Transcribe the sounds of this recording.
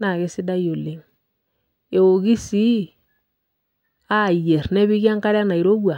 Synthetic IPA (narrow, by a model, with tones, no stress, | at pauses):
na˨ɣe˦si˦da˦jo˨le˨m | e˨o˨ɣi˦si˦ | a˦˨je˨ɾnɛ˦βi˦ɣja˦ŋka˦ɾa˦na˨i˨ɾo˦βwa˨